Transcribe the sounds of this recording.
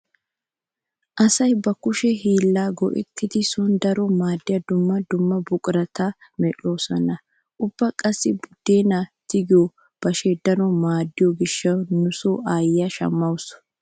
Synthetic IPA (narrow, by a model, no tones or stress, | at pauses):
ʔɐsɐjbɐkʊʃɛɦiːlːaːɡɔ̰ʔɛ̰t̪ːɪd̪ɪsʊnd̪ɐɾɔmaːd̪ːɪjɐd̪ʊmːɐd̪ʊmːɐbʊkʼɾɐt̪ɐmɛᶑo̞ːsɔnɐ | ʔʊb̥ːɐkʼɐsːɪbʊd̪̥ːeːnɐt̪ɪɡɪjo | b̥ɐʃɛd̪ɐɾɔmaːd̪ːɪjɔɡɪʃːɐwnʊsoːʔaːjːɐʃɐ̰mːɐws